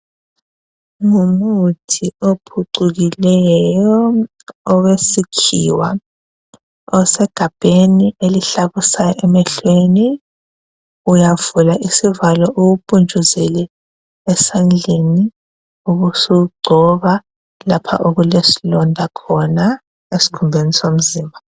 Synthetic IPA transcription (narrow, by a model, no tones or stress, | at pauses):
ŋumutʰiopʰuǀuɣilɛjɔː | wesikʰḭwa | ɔsɛɡ̥ʱab̥ʱeniʔeliɬaβusajɔʔɛmɛɬweni | ujavulaʔisivalɔʔuɣupʼund͡ʒʱuzɛlɛ | ɛsand͡ɮʱeni | uɣusuɡ͡ǀʱɔβa | lapʰa̰ʔoɣulesilɔndʱakʰɔna | esi̥kʰumbʱenisom̩ziːmbʱa